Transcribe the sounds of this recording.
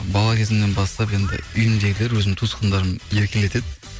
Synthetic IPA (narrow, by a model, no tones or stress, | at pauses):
bɑlˠɑkʲʰe̞zɪmne̞nbɑst̪ɑpe̞nd̪ɪ̰ʏjɪmd̪e̞ɡʲɪleɾwɵzɪmt̪ʰusqənd̪ɑɾəmje̞ɾkʲele̞t̪e̞d̪ɪ